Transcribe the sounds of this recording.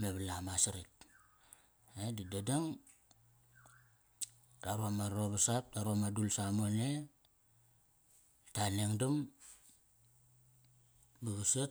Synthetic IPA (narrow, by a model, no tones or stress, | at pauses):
meβalamasiɾit̚ | edidadaŋ | taɾuamaoβasap̚taɾuamadulsamone | taneŋdum | baɡusa